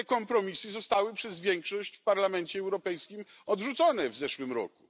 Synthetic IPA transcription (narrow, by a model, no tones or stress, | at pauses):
ɛkɔmpɾɔmʲisɘzɔst̪awɘpʂɛzvʲjɛŋkʂɔɕt͡ɕfpaɾlamɛnt͡ɕɛːwɾɔpɛjskʲim | ɔd̪ʐut̪sɔnɛvzɛʂwɘmɾɔ̰ku̥